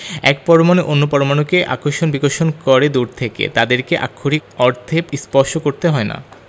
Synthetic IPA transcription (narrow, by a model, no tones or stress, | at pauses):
ɛ̰k̚pɔɾomaneʔonːopɔɾomanokeʔa̰koɾʃonbiɡoɾʃonkɔɾed̪uɾt̪ʰekḛt̪ad̪eɾkeʔa̰kʰːoɾiɔɾt̪ʰepispɔɾʃokoɾt̪eɦɔena̰